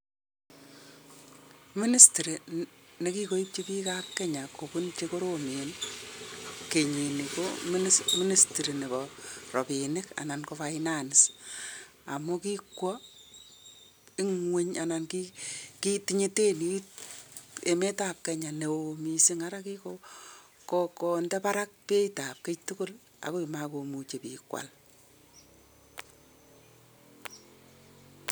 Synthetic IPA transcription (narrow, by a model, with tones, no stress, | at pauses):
mi˦ni˦sti˨ɾi˨ne˨ki˦ko˦i˦p̚t͡ʃe˦pi˦ka˦kːɛ˦ɲa˨ko˨punt͡ʃeko˦ɾome˨n | ke˨ɲi˨ni˨komsmɪ˦ni˦sti˨ɾi˨ne˨bɔrɔ˨pi˨nɪka̰˨na˨nkofainanɪs | a̰˨mu˦ki˦kwɔ˦ | ɪ˦ŋwe˦ɲa˨nankiki˦tiɲe˦te˦ni˦ | e˨me˦ta˨p̚kɛ˨ɲa˨ne˨omisi˦ŋa˦ɾa˦ki˦ko | kokondɛ˦paɾa˦k̚pe˦jta˨p̚ket͡ʃtukʊ˦l | a̰˨ku˦mako˨mu˨t͡ʃe˨pḭːkwa̰˨l